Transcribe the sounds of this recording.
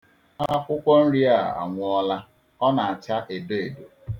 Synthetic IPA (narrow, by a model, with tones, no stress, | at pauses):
a˦kʷʊ˦kʷɔ˦n̩˦ɾi˦a˦˨a̰˨ŋʷʊ˦ɔ˦la˦ | ɔ˦na˨a˨t͡ʃa˦ʔe˨be˦e˨do˨